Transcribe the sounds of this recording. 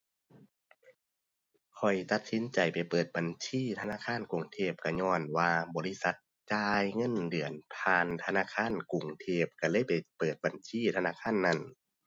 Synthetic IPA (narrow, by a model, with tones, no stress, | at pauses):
kʰɔ˨˩jt̪a˧˦t̪̚si˨˦nt͡ɕa˨˩jpa˨˩jpɤː˨˩t̪̚ba˨˩nt͡ɕʰiː˧˥˨t̪ʰa˧naː˧˥˨kʰaː˧˥˨nku˨˩ŋt̪ʰeː˧˩p̚ka˧˩ɲɔː˧˩˨nwaː˧bɔː˨˦li˧˥˨sa˧˦t̪̚ | t͡ɕaː˧jŋɤ˧˥˨ndɯ˨˩ənpʰaː˧nt̪ʰa˧naː˧˥˨kʰaː˧˥˨nku˨˩ŋt̪ʰeː˧˩p̚ka˧˩lɤː˧˥˨jpa˨˩jpɤː˨˩t̪̚ba˨˩nt͡ɕʰiː˧˥˨t̪ʰa˧naː˧˥˨kʰaː˧˥˨nːa˧˩˨n